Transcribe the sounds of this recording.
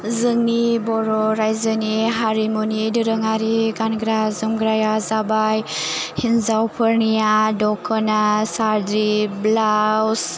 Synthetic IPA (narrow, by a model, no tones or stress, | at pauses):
zɯŋnibɔɾɔɾajzɯniɦaɾimunidɯɾɯŋaɾiɡanɡɾazɯmɡɾajazabajhinzawpʰɯɾnijadɔkʰːənasaɾd̪ɾiblaws